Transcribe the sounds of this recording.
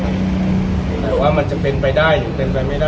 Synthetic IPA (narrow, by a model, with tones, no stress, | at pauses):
ɛː˧˩waː˥˩ma˧nt͡ɕa˨˩pe˧npa˧jdaː˥˩jːuː˨˩pe˧npa˧jma˥˩jdaː˥˩